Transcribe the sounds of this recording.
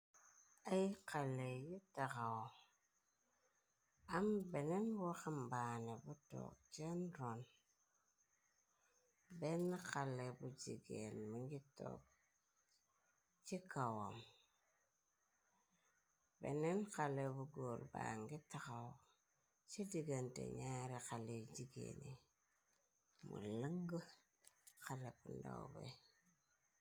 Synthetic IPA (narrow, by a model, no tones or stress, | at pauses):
ajikalejitakaw | ambenenwaxambanebuto̰k̚t͡ʃenɾon | benːakalebud͡ʒḭɡḛnmiŋɡito̰k̚ | t͡ʃikawom | bḛnenkalebuɡolbaŋɡitakaw | t͡ʃidiɡantḛɲaɾekaled͡ʒiɡḛni | mṵləŋɡə | kalepunda̰wbḛ